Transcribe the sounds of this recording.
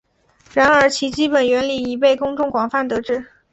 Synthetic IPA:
ɻa˧˥nə˞˧˥t͡ɕʰi˧˥t͡ɕi˥pə˨˩nɥɛ˧˥nli˨˩i˧˥pe˥˩ɪkʊ˥ŋʈ͡ʂʊ˥˩ŋkwɑ˨˩ŋfa˥˩nt̪ɤ˧˥ʈ͡ʂɻ̩˥˩

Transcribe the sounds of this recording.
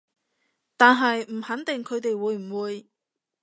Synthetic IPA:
t̪aː˨nɦɐ˨jm̩˨˩hɐ˨˥nt̪ɪ˨ŋkʰɵ˨˧ɥt̪e˨jwuː˨˧jm̩˨˩wuː˨˧j

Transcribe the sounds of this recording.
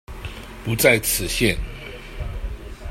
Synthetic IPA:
pu˧˦˥t͡sa˥˩ɪt͡sʰɹ̩˨˩ɕjɛ˥˨n

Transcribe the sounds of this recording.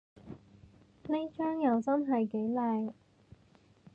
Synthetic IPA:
ne˥jt͡ʃœː˥ŋjɐ˨wsɐ˥nɦɐ˨jke˨˥jlaː˨˧j

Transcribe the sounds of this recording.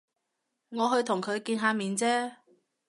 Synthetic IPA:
ŋɔː˨˧ɦɵ˧ɥt̪ʰʊ˨˩ŋkʰɵ˨˧ɥkiː˧nɦaː˧miː˨˧nt͡sɛː˥

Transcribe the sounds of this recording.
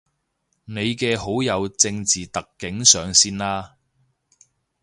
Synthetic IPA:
ne˨˧jkɛː˧ɦo˨˥wjɐ˨˧wt͡sɪ˧ŋt͡siː˨t̪ɐ˨kːɪ˨˥ŋsœː˨˧ŋsiː˥nlaː˥

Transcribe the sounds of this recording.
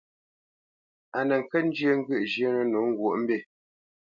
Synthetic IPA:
a˨nə˨ŋ̩˨kə˦n̩˦d͡ʒjə˦ŋ̩˦ɡʉ˦ʔd͡ʒjə˦nə˨no˨˦ŋ˦ɡwo˨ʔm̩˦be˦˨

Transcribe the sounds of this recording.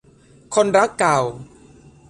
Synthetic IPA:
kʰo˧nɾa˦˥kːa˨˩w

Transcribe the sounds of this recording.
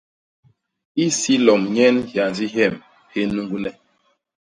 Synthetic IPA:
i˦si˦lɔ˨mɲɛ˦nhja˨nzi˦ɦɛ˦˨m | he˦nːu˦ŋɡu˦nɛ˨

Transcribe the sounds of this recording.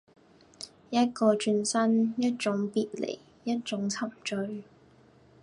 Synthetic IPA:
jɐ˥t̚kɔː˧t͡ʃy˧nsɐ˥njɐ˥t̚t͡ʃʊ˨˥ŋpiː˧t̚lḛ˨˩j | jɐ˥t̚t͡ʃʊ˨˥ŋt͡sʰɐ˨˩mt͡ʃɵ˧ɥ

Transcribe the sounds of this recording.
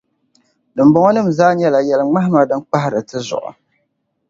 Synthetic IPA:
dɨ˨mbɔ˦ŋɔ˦nɨ˦mzaː˦ɲɛ˦la˨jɛ˨lɨ˨ŋ͡ma˦ɦɪ˦ma˨dɨ˦k͡pa˦ɦɪ˦ɾɨ˨tɨ˦zʊ̰˨ʔʊ̰˨

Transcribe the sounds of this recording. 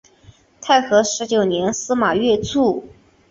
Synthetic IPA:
t̪ʰa˥˩ɪxɤ˧˥ʂɻ̩˧˥t͡ɕjo˨˩ʊnjɛ˧˥nsɹ̩˥ma˨˩ɥɛ˥˧t͡sʰu˥˩

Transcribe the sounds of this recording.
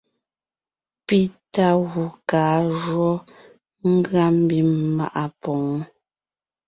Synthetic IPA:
pi˦ta˦ɣu˨kaː˨˦ʒwɔ˦ | ŋ̩˦ɡɰa˦m̩˦bi˨˦ma̰˦ʔa˦pɔ˨ŋ˦

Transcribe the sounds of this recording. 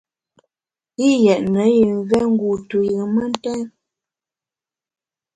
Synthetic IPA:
i˦jɛ˨ʔnə˨˦ji˨ŋɣɛ˦ŋ̩˦ɡu˨tu˨jə˨mə˦n˦tɛ˦n

